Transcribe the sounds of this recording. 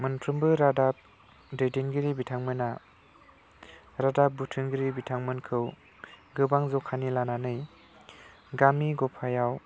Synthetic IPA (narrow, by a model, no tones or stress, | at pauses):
mɯnpʰɾɯmbɯɾadap̚ | dejdinɡɯɾibitʰaŋmɯna | ɾadap̚butʰɯŋɡiɾibitʰaŋmɯnkʰɯw | ɡɯbaŋzɔkʰːanilananɯj | ɡamiɡɔpʰajaw